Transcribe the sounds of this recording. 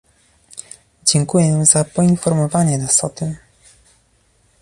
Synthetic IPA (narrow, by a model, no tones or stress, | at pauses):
d͡ʑɛŋkujɛzapɔinfɔɾmɔvaɲɛnasɔt̪ɘm